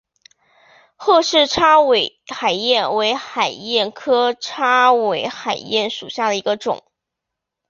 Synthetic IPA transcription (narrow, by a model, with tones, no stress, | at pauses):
xɤ˥˧ʂɻ̩˥˩ʈ͡ʂʰa˥we˨˩ɪ | xa˨˩ɪjɛ˥˩nwe˧˥ɪxa˨˩ɪjɛ˥˩nkʰɤ˥ʈ͡ʂʰa˥we˧˥ɪxa˨˩ɪjɛ˥˩nʂu˨˩ɕja˥˩d̪ə˩i˧˥ɡə˧ʈ͡ʂʊ̰˨˩˦ŋ